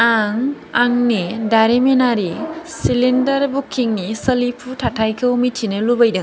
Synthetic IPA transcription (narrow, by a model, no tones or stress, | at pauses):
aŋ | aŋnidaɾemenaɾisilindɐɾbukʰːiŋnisəlipʰutʰatʰajkʰɯumitʰinɯlubajdɯŋ